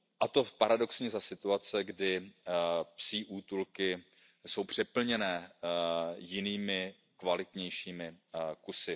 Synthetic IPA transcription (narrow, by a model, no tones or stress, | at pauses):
ʔat̪o̞paɾado̞ksɲɛzasɪt̪uat͡sɛɡdɪ | psiːʔuːt̪ulkɪ | so̞wpr̝̥ɛpl̩ɲɛnɛː | jɪniːmɪ | kvalɪt̪ɲɛjʃiːmɪkusɪ